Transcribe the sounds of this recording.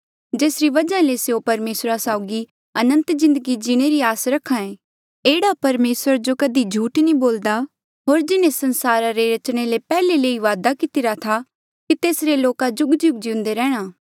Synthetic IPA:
d͡ʒeːsɾiʋɐd͡ʒãleseopɐɾmeːsɾasaːʊɡi | ɐnə̃nt̪zɪ̃nd̪əɡid͡ʒɪɽ̃eɾiaːsɾɐkʰːãẽ | eːɽapɐɾmeːsəɾd͡ʒokɐd̪ʱid͡ʒʱuːʈnĩboːld̪a | ɦoːɾd͡ʒɪnẽsɐ̃nsaːɾaɾeɾɐt͡ʃɽ̃elepɛːleleːiʋaːd̪akɪt̪ɪɾat̪ʰa | kit̪eːsɾeloːkad͡ʒʊɡd͡ʒʊɡd͡ʒiʊ̃nd̪eɾɛːɽ̃aː

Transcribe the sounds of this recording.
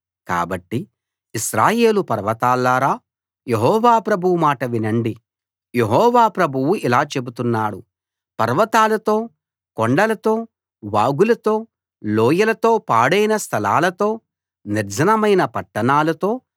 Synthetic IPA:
ka̰ːbɐʈːi | iʃɾaːje̞ːlupɐɾʋɐt̪aːlːaːɾaː | je̞ɦɔːʋaːpɾɐbʱuwumaːʈɐʋinɐɳɖi | je̞ɦɔːʋaːpɾɐbʱuwuilaːt͡ʃe̞but̪unːaːɽu | pɐɾʋɐt̪aːlɐt̪o̞ː | koɳɖɐlɐt̪o̞ː | ʋaːɡulɐt̪o̞ː | loːjɐlɐt̪o̞ːpaːɽɐjnɐst̪ʰɐla̰ːlɐt̪o̞ː | niɾd͡ʒʱɐnɐmɐjnɐpɐʈːɐnaːlɐt̪o̞ː

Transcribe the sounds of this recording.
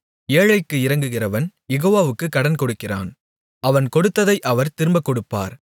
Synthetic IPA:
eːɻɐɪkːɯɪɾɐŋɡɯɣɪrɐʋɐnjɛɣoːʋaːʋɯkːɯkːɐɽɐnkɔɽɯkːɪra̰ːn | ʔɐʋɐnkɔɽɯt̪ːɐðɐɪʔɐʋɐɾt̪ɪɾɯmbɐkːɔɽɯpːa̰ːɾ

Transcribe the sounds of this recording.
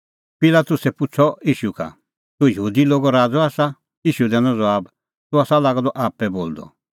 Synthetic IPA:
pɪlaːt̪ʊsɛpʊt͡sʰɔiːʃuka̰ | t̪ujəɦuːd̪iloːɡɔɾaːd͡zɔaːsa | iːʃud̪ɛːnɔ̃d͡zɔaːb | t̪uaːsalaːɡd̪ɔʔaːpɛboːld̪ɔ̰

